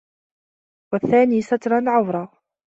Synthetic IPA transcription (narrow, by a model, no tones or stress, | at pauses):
wəθːæːnisat̪ɾˤɑnʕʊvɾˤɑ